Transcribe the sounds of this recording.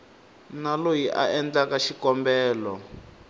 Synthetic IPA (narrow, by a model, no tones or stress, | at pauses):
nalojiʔa̰ɛnd͡ɮakaʃikɔmbɛːlɔ